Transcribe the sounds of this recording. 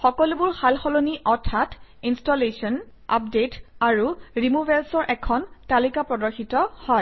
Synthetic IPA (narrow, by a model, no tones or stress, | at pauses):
xɔkɔlubʊɹxalxɔloniʔɔɹtʰatʰinstɔlesɔn | a̰p̚detaɹuɹimubɛlsɔɹʔɛkʰɔntalikapɹɔdɔɹxitɔhɔj